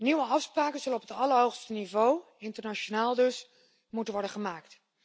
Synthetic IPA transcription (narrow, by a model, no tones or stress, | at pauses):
niʋəɑfspraːkənzɵlənɔpətɑləɹɦowχstənivow | ɪntəɹnat͡ʃonaːlˠdɵs | mutənʋɔɹdəχəmaːkt